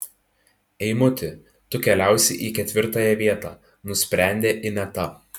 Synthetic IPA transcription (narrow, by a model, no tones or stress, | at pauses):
ɛɪmʊt̪ʲɪ | t̪ʊkʲɛlʲæˑʊsʲɪʔiːkʲɛt̪ʲʋʲɪɾt̪ɑjɛʋʲiɛt̪ɑː | nʊsʲpʲɾʲæˑnʲd̪ʲeːʔɪnʲɛt̪ɐp